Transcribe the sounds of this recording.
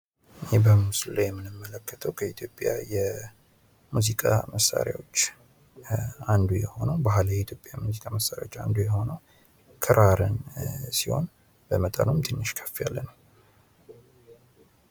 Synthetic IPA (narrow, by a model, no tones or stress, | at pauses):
bəmuslulawjɛmːɨnɨmːələkːət̪ʰəwkʰəit̪ʰjo̞pʼja̰jɛ | muzikʼa̰məsːa̰ɾja̰wo̞t͡ʃː | and̪ujɛho̞nəwbaɦlajɛit̪ʰjo̞pʼjajɛmuzikʼaməsːaɾja̰wot͡ʃːa̰nd̪ujɛho̞nəw | kʰɨɾʔaɾɨnsiho̞̰n | b̥əmət̪ʼənumt̪ʰɨnːɨʃkʰə̥fːijalːənəw